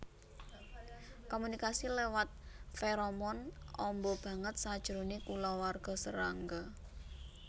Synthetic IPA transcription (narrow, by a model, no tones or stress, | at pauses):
komunikasilewat̪̚feɾɔmɔnɔmbɔb̥ä̤ŋət̪̚sad̥ʒ̥ɾonikulɔwarɡ̥ɔ̤sə̰ɾaŋɡɔ